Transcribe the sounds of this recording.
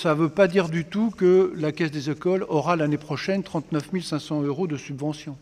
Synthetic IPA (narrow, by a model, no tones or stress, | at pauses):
savøpad̪iʁd̪yt̪ukəlakʲɛsd̪ezekɔlɔʁalanepχɔʃɛnt̪χɑ̃t̪nœfmilsɛ̃sɑ̃øʁod̪əsybvɑ̃sjɔ̃